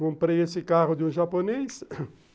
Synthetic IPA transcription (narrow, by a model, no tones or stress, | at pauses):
kõmpɾejesɪkaʁʊd̪ɪũʒapones